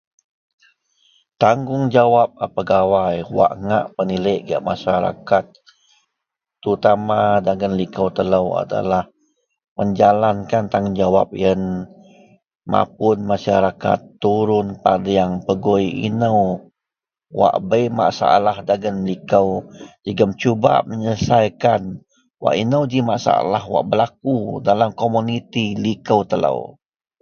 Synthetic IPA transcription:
t̪aŋɡʊŋd͡ʒawap̚apəɡawajwa̰ʔŋa̰ʔpəniləʔɡia̰ʔmaʃaɾa̰kat̪̚ | ɾut̪amadaɡənlikəwt̪ələwa̰da̰lah | məɲd͡ʒalankant̪aŋŋd͡ʒawa̰p̚jən | ma̰p̚ʊnmaʃaɾaka̰t̪ːuɾʊnpadajaŋpəɡojḭnəw | wa̰ʔbəjma̰ʔsa̰ʔalahdaɡənlikəwd͡ʒəɡəmt͡ʃuba̰məɲəsajkan | wa̰ʔinəwd͡ʒimaʔsa̰a̰lahwa̰ʔbəlak̚udalamkomunit̪ilikəwt̪ələ̰w

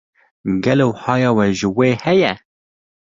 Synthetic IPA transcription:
ɡɛloːhɑːjɑːwɛʒəweːhɛjɛ

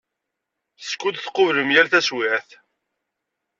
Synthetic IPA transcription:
skːud̪θqːʊvləmjælθæswɪʕθ

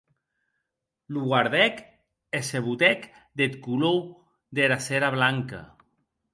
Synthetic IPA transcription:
luɣwaɾðɛk | eseβut̪ɛk | d̪et̪kulow | ðeɾaseɾaβlaŋka̰

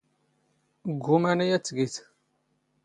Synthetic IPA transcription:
ɡʷːumænæjæt͡sːɡiθ

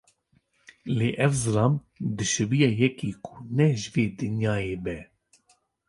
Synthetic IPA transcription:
leːʔɛvzɨlɑːm | d̪ɨʃɨbijɛjɛkiːkʰunɛʒɨveːd̪ɨnjɑːjeːbɛ

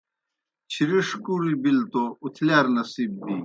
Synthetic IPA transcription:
t͡ɕʰiɾiʂkuɾibilt̪out̪ʰlaːɾnɐsiːb̚d̪i

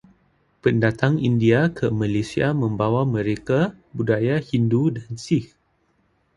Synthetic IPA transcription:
pəndat̪aŋindiakʰəmãlesiamə̃mbawamə̃ɾeka | budajahindudansix

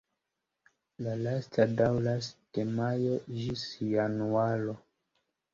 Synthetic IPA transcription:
lalastʰadawlasd̥emajo̞d͡ʒisjanualo

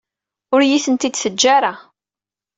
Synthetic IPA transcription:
ʊɾjiθənt̪id̪θəd͡ʒːaɾa

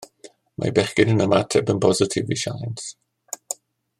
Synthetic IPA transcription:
mʔa̰jbɛχɡɪnənəmatʰɛbənpʰɔzɪtʰɪviʃa̰jns

